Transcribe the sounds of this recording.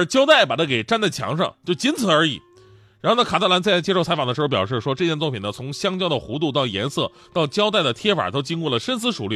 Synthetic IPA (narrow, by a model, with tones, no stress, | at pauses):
t͡ɕjɑ˥ʊt̪a˥˩ɪpa˨˩t̪ʰa˥ke˨˩ɪʈ͡ʂa˥nt͡sa˥˩ɪt͡ɕʰjɑ̰˧˥ŋʂɑ̰˥˧ŋt͡ɕjo˥˩ʊt͡ɕi˧˥nt͡sʰɹ̩˨˩ə˞˧˥ḭ˨˩˦ | ɻa˧˥nxo˥˧na˥˩ka˨˩t̪ʰa˥˩la˧˥nt͡st͡ɕjɛ˥ʂo˥˩a˧˥ɪfd̪əʂ̩˧˥˧pjɑ˨˩ʊʂ̬ɻ̩˥˩ʂwɔ˥ʈ͡ʂɤ˥˧t͡ɕjɛ˧nt͡swɔ˥˩pʰi˨˩nə˦t͡sʰʊ˧˥ŋɕjɑ˥ŋt͡ɕjɑ˥ʊd̪ə˨xu˧˥t̪̬u˥˧t̪̬ɑ˥˩ʊjɛ̰˧˥nsɤ˥˩ | t̪ɑ˥˩ʊt͡ɕjɑ˥ʊt̪a˥˩ɪd̪ə˩t̪ʰjɛ˥fa̰˨˩t̪o˥ʊt͡ɕi˥nkwɔ˥˩lə˩ʂə˥ns̬ɹ̩˧˥ʂu˨˩ly˥˩